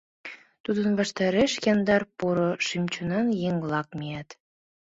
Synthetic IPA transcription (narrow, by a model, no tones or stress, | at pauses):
t̪ud̪ə̆nβɑʃt̪ɑɾeʃjɑnd̪ɑrpuɾoʃimt͡ɕunɑnjeŋlˠɑkmeæt̪